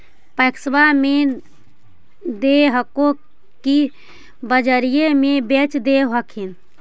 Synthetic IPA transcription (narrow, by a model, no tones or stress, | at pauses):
pəjksbame | d̪eɦəko | ki | bəd͡ʒəɾijemebet͡ʃd̪eɦəkʰin